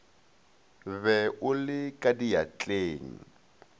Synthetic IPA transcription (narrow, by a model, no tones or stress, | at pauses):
βɛʔʊlɪkʼadijat͡ɬʼeːŋ̩